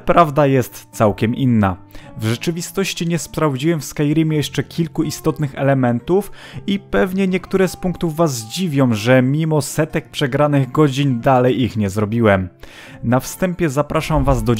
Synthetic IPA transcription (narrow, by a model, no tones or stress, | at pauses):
pɾavd̪ajɛst̪sawkʲɛminːavʐɛt͡ʂɘvʲist̪ɔɕt͡ɕiɲɛspɾavd͡ʑiwɛmfskajɾʲimʲjɛʂt͡ʂɛkʲʰilkuist̪ɔt̪nɘxɛlɛmɛnt̪ufipɛvɲɛɲɛkt̪uɾɛspuŋkt̪uvːazd͡ʑivʲjɔ̃w̃ʐɛmʲimɔsɛt̪ɛk̚pʂɛɡɾanɘɣɡɔd͡ʑind̪alɛjixɲɛzɾɔbʲiwɛm | nafst̪ɛmpʲjɛzapɾʔaʂamvazd̪ɔ